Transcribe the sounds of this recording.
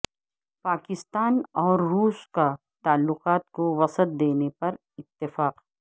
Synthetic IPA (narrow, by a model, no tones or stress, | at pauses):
paːkɪst̪aːnɔːɾːuːska | t̪aːlːʊqaːt̪̚koʋɐsət̪̚d̪eːnepɐɾ | ɪt̪ːɪfaːqː